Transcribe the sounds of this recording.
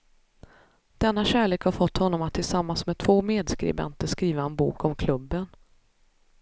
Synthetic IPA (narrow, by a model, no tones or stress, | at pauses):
d̪̥ɛnːaɕæːɭeːkhaɾfɔt̪ːhɔnːɔmat̪ʰːɪlsamːansmɛd̪t̪ʰvoːmeːd̪skɾɪ̰bɛ̰nt̪əʂkɾiːvaɛnbṵːkɔmkʰlɵbːən